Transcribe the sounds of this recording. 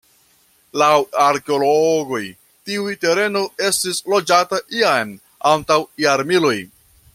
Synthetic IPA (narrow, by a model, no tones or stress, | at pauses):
lawaɾkeo̞loɡo̞j | tiujte̞ɾe̞no̞e̞stislo̞d͡ʒataʔian | antawjaɾmilo̞j